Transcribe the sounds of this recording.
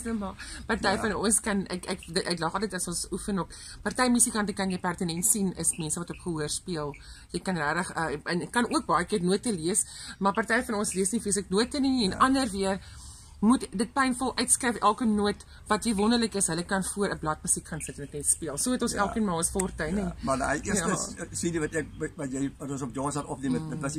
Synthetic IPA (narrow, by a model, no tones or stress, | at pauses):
əmɑpɐrtɛjfɐnɔnskɐnɛ̰kɛkdəɛklɐχɑlˠt̬əjtɐsɔnsufənɔk | pɐrtɛjmysikɐntəkɐnjəjpærtənɛntsinəsmɛnsəvɐtɔpχəɦuərspiəlˠjəjkɐnræːɾəχəənkːɐnuək̚bɐjəkiərnuətːəliəsmɐrpɐrtɛjfɐnɔnsliəsnifisəknuətːəniɛnɐndərviər | mutdət̚pɛjnfɔlˠʔœɥtskrɛjfʔælˠkənuət | vɐtjəvɔndərləkəsɦələkɐnfuəɾəblɐtməsikχɐnsətɛnəknɛtspiəlˠsuəətɔ̃nsælˠkənmɑːləsflrtɛjnimɐʔiəsəssidivɐtɛk̚vɐtjɛjvɐtɔ̃nsɔp̚djɑːnsɐtɔpniəmədəvɐsi